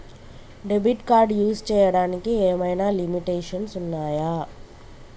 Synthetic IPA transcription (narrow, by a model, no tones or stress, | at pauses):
ɖebiʈkaːɾɖjuːst͡ʃɛːjɐɽaːnikieːmɐjnaːlimiʈeːʂɐnsunːaːjaː